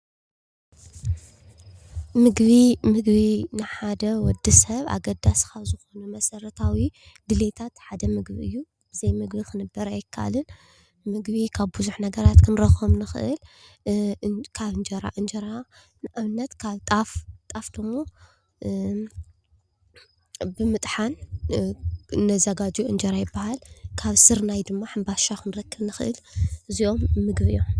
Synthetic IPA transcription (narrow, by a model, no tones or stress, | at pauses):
mɨɡβimɨɡβinɨħad̪ɐwɔd̪isɐβa̰ɡɐd̪askʰaβzɨxo̞numɐsɐɾɐt̪ʰawi | dɨlet̪ʰat̪ħad̪ɐmɨɡbiɨjːu | bɨzɐjmɨɡbikʰɨnɨbːɐɾɐajɪkʰːaʔlɨn | mɨɡβikʰaβbuzuħnɐɡɐɾat̪kʰɨnɾɐxomnɨxɨ̰ʔɨl | kʰaβɨnd͡ʒɐɾa̰ʔɨnd͡ʒɐɾa | nɨʔɨβnːɐt̪kʰaβt̪ʼaft̪ʼafd̪̥ɨmːo | bɨmɨt̪ʼħan | nːɐzɐɡad͡ʒuʔɨnd͡ʒɐɾajɪbːahalkʰaβsɨɾnajd̪ɨmːaħambaʃakʰɨnɾɐkːɨβnɨxɨʔɨ̰lʔɨzio̞mːɨɡbɨjːom